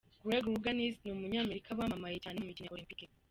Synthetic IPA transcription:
ɡɾeɡɾuɡanisnomuɲaːmeɾikʰaβwaːmamajecaːnemumicinaolimpiki

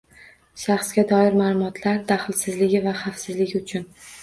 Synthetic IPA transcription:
ʃɑχsɡʲad̪ɒɪɾmaːlˠʊmɒt̪ʰlaɾd̪aχɪlsɪzlɪɡʲɪvaχafsɪzlɪɡʲɪʊt͡ʃʰʊn

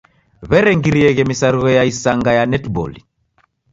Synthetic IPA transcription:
βɛɾɛŋɡiɾiɛɣɛmisaɾuɣɛjaisaŋɡajanɛtbɔ̰lḭ

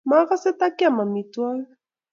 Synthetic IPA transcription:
maɣaset̪akiamamit̪ual

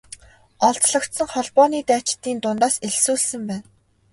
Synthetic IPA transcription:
ɔɮt̪ɮɞ̆kt̪sə̆ŋχɔɮpɔːniːt̪æːt͡ɕɪ̥t̪ːiːnt̪ʊnt̪aːseɮsuːɮsɘ̆mpæːn

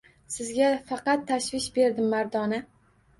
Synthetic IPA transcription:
sɪzɡʲafɑqɑt̪ʰːaʃvɪʃbe̞ɾd̪ɪmːaɾd̪ɒnɪ

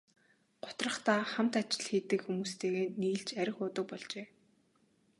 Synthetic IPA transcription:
ɢ̥ʊ̥t̪rə̆χt̪aːχam̥t̪at͡ɕɪ̥̆ɮxiːt̪ɘ̆kxumuːst̪ʰeːɣeːniːɮt͡ɕæɾʲɪ̆xʊːt̪ə̆k̚pɔɮt͡ɕeː

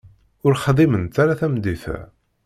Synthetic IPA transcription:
ʊɾχðˤimənt̪aɾaθæmd̪iθæ̰

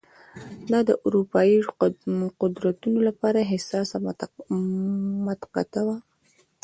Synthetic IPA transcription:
d̪ɑd̪əʔʊɾupɑji | qʊd̪ɾat̪unolapɑɾaɦɪsɑs | mat̪qa̰t̪awa

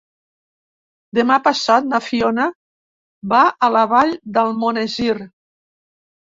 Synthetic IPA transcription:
d̪emapasat̪̚nafiona | baələβaʎd̪əlˠmonezir

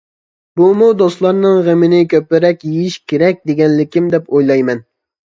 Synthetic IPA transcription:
b̥umud̪oslˠɑɾnɨŋʁemɪnɪkʲʰøpːɪɾɛkʲjejiʃkʲeɾɛk̚ʲd̪eɡʲɛnlɪkʲimd̪ɛpojlˠɑjmɛn

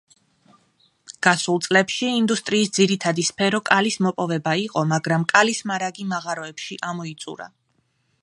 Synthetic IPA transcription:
ɡ̥asulˠt̪sʼlɛpʃiːnd̪ust̪ʼɾiːsd̪ziɾit̪ʰad̪ispʰɛɾɔkʼalismɔpʼɔvɛbaiqʼɔmaɡɾamkʼalismaɾaɡimaʁaɾɔɛpʃiʔamɔit̪sʼṵɾa̰

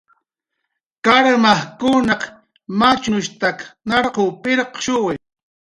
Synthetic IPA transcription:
kaɾmahkʊnɑk | mat͡ʃʊʊʃt̪aknɑɾqʊːpɪɾqʃʊwɪ

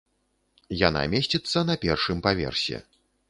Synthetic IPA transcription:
jan̪a̰mʲesʲt͡sʲit̪sːɐn̪ɐpʲɛrʂɨmpavʲɛ̰rsʲɛ̰

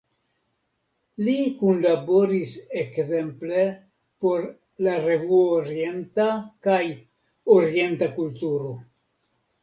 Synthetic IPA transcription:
likunlabo̞ɾisekze̞mple̞ | po̞ɾ | laɾe̞vuooɾie̞ntakaj | oɾie̞nt̪akultuɾo̞

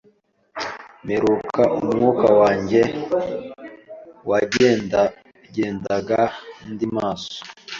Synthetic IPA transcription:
meɾukʰaʔumŋuːkawaːɲɟe | waɟe | ɟeːndaɡandimaːso̥

